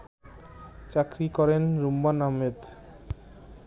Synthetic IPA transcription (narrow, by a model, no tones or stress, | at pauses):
t͡ɕakɾikɔɾenɾumbanaɦmed̪